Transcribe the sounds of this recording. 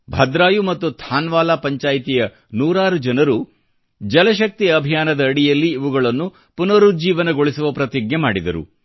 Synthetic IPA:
bʱɐd̪ɾaːjumɐt̪ːut̪ʰaːnʋaːlaːpɐɲt͡ʃaːjt̪ijɐ | nuːɾaːɾud͡ʒɐnɐɾu | d͡ʒɐlɐʃ̬ɐk̚t̪iɐbʱijaːnɐd̪ɐːɽijɐlːiːʋuɡɐɭɐnːu | punɐɾud͡ʒiːʋɐnɐɡoɭisuʋɐpɾɐt̪iɡjemaːɽid̪ɐ̰ɾṵ

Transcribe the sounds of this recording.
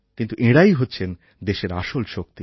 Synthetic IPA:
kint̪uʔeɽajɦotːɕʰen | d̪eʃeɾa̰ʃolʃok̚t̪i

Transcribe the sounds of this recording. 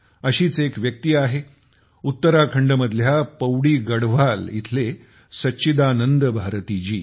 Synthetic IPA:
əɕiːt͡sekʋjək̚t̪iːaɦe | ut̪ːəɾakʰəɳɖəməd̪ʱljapəwɽiːɡəɽʋalḭt̪ʰle | sətːɕid̪anənd̪əbʱaɾt̪iːd͡ʑiː

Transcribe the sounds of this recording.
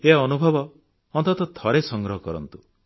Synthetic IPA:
eɔnubʱɔbɔ | ɔnt̪ɔt̪ɔt̪ʰɔɾesɔŋɡɾɔɦɔkɔɾɔ̰nt̪u

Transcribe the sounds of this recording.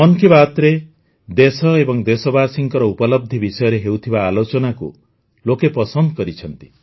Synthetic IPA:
ɔnkibat̪ɾe | d̪esɔebɔŋd̪esɔbasiŋkɔɾɔupɔlɔb̚d̪ʱibisɔjɔɾeɦeut̪ʰibaːlot͡ʃɔnakṵ | lokepɔsɔnd̪ɔkɔɾit͡ʃʰɔnt̪i̥

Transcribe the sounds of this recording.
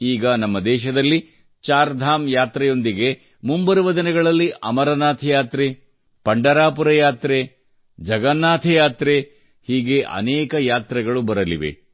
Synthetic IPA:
iːɡɐnɐmːɐd̪ɛːʃɐd̪ɐlːi | t͡ʃaːɾd̪ʱaːmjaːt̪ɾɛjo̞nd̪iɡe̞ | mumbɐɾuʋɐd̪ɐnɛɡɐɭɐlːiʔɐmɐɾɐnaːt̪ʰɐjaːt̪ɾe | pɐɳɖɐɾaːpuɾɐjaːt̪ɾe | d͡ʒɐɡɐnːaːt̪ʰɐjaːt̪ɾe | hiːɡe̞ʔɐ̰nɛːkɐjaːt̪ɾɐɡɐɭubɐɾɐlḭʋe̞̰

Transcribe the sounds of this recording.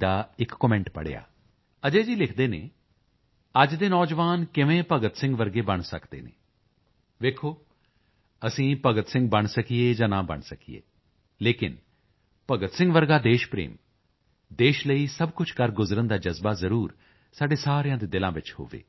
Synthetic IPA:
aːɪkːɔmɛ̃ɳʈpə̰ɽḛa̰ː | əd͡ʒeːd͡ʒiːlɪkʰd̪eːnḛː | əd͡ʒd̪eːnɔːd͡ʒʋaːnkɪʋẽːpəɡət̪sɪ̃ŋɡʋəɾɡeːbəɳ̃səkʰd̪ḛːnḛ̃ː | ʋeːkʰoː | əsĩːpəɡət̪sɪ̃ŋɡ̚bəɳ̃səkʰieːd͡ʒãːnãːbə̰ɳsəkʰiḛː | leːkɪ̰n | pəɡət̪sɪ̃ŋɡʋəɾɡaːd̪eːʃpɾḛːm | d̪eːʃləiːsəbkʊt͡ʃʰkəɾɡʊzɾənd̪aːd͡ʒəzbaːzəɾuːɾ | saːɖeːsaːɾejãːd̪eːd̪ɪlãːʋɪt͡ʃho̰ːʋḛː

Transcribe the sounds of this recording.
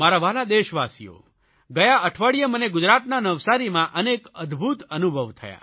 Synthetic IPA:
maɾaʋalad̪eʃʋasḭjo̰ | ɡəjaəʈʰʋaɽijəməneɡʊd͡ʒɾat̪nanəʋsaɾimãʔənekəd̪ʱbʱut̪ənubʱəʋt̪ʰə̰ja̰

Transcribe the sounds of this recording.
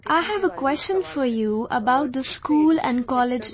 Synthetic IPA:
ʔaɪhæʋəkwɛst͡ʃə̃nfɔɾjuə̰baʊt̚d̪əskuːlɛ̰̃nkɔlɪd͡ʒ

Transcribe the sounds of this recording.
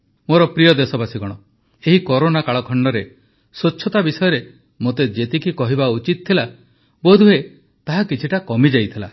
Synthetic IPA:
moɾɔpɾijɔd̪esɔbasiɡɔɽ̃ɔ | eɦikɔɾonakaɭɔkʰɔɳɖɔɾe | sot͡ʃʰːɔt̪abisɔjɔɾe | mot̪ed͡ʒet̪ikikɔɦibaut͡ʃit̪̚t̪ʰila | bod̪ʱuɦe | t̪aɦakit͡ʃʰiʈakɔmid͡ʒajt̪ʰila̰

